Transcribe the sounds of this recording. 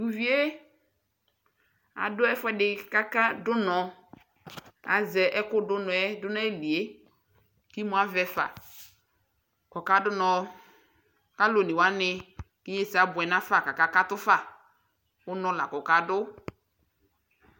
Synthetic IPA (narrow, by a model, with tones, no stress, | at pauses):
ɡu˨vi˦e˦ | a̰˨dʊ˦ɛ˦fɛ˨dɪ˨ka˦ka˦dʊ˦nɔ˨ | a̰˨zɛ˨ʔɛ˦kʊ˦dʊ˦nɔ˨ɛ˦dʊ˦na˦e˦˨li˨e˦ | kɪ˦mʊ˨˦a˦vɛ˨fa̰˨ | kɔ˨ka˨dʊ˦nɔ˨ | ka˦lo˨nɪ˨wa˨˦nɪ˨ | kɪ˦ɲe˦sa˨˦bʊ˨ɛ˨nã˦fa˨ka˨ka˦ka˦tʊ˦fa˨ | ʊ˦nɔ˦la̰˨kɔ˨ka˨dʊ˦